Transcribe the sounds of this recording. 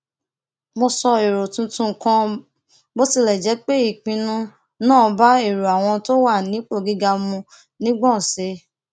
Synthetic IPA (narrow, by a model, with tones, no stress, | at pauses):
mo˧sɔ˧e˨ɾo˨tũ˧tũ˧˨kã˧ | bo˦ti˦˧lɛ˨d͡ʒɛ˨˦k͡pe˦i˦˨k͡pĩ˧nũ˦ | nãː˦˨˧ba˦e˦˨ɾu˨a˨w̃ɔ̃˧to˦wa˦˨nĩ˨˦k͡po˦˨ɡi˨˦ɡa˧mũ˧ | nĩ˦ɡ͡bɔ̃˦˨se˨˦